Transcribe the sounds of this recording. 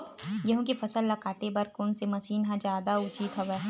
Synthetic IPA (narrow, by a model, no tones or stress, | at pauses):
jɐɦõkifʰɐsəlːɐkaːʈ̪ebɐɾkʊnsemɐsiːnɦãd͡ʒjaːd̪aʊt͡ʃiːt̪ɦɐʋeː